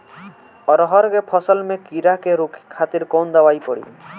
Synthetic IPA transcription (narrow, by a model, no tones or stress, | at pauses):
ɔɾɔɦɔɾɡepʰɔsɔlmekiɾakeɾukʰi̥kʰat̪iɾkownd̪awajpɔɽḭ